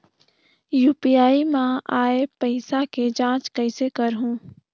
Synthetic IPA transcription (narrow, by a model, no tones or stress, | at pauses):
juːpijaːimãaːepəɪsaked͡ʒãːt͡ʃkəɪsekəɾɦũː